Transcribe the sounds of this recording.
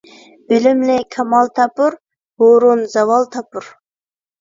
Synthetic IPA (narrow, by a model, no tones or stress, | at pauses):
ylymlɪkʰɑmɑlˠt̪ʰɑpuɾ | hoɾunzɑwɑlˠt̪ʰɑpuɾ